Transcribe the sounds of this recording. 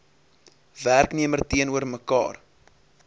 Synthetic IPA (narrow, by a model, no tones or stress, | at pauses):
værkniəmərtiənuərməkɑ̰ːr